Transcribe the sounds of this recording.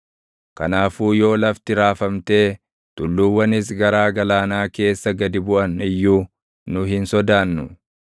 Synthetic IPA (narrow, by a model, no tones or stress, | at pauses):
kɐ̰naːfuːjo̞ːlɐft̪ɪɾaːfɐmt̪e̞ː | t̪ʊlːuwːɐnɪs̬ɡɐɾaːɡɐlaːnaːke̞ːsːɐɡɐd̪ɪbʊʔɐnɪjːuː | nʊɦɪnsɔd̪aːnːʊ